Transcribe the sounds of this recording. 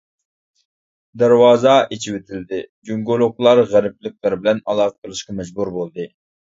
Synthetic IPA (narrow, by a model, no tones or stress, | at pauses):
d̪æɾwɑːzɑet͡ʃʰiwɪt̪ʰɪld̪ɪd͡ʒuŋɡolˠoklˠɑɾʁæɾɪp̚lɪk̚ʲlæɾbɪlɛnɑlˠɑːqʰə̥qʰəlˠɨʃqɑmɛd͡ʒbuɾbolˠd̪ɨ